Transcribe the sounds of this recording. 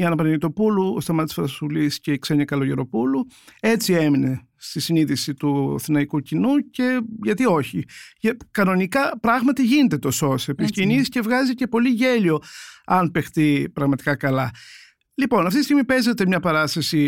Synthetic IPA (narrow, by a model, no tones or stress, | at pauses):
ɐnɐpɐnnit̪o̞puluo̰st̪ɐmɐt̪i̥sfɐsuliscekse̞ɲikɐlo̞ʝeɾo̞pulue̞t͡sie̞mine̞ | st̪isiniðisit̪uɐ̰θinɐikucinuce̞ʝɐt̪io̞çiʝɐkɐno̞nikɐpɾɐɣmɐt̪iʝinet̪et̪o̞so̞sepiscinisce̞vɣɐzice̞po̞liʝe̞lio̞ɐnpe̞xt̪ipɾɐɣmɐt̪i̥kɐkɐlɐ | lipo̞nɐft̪it̪ist̪iɣmipe̞zet̪emɲɐpɐɾɐst̪ɐsi